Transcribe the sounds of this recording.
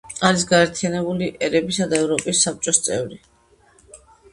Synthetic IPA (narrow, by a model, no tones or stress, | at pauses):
aɾis̬ɡaɛɾt̪ʰijanɛbuliʔɛɾɛbisad̪aɛvɾɔpʼisːap̚t͡ʃʼɔst̪sʼɛ̰vɾi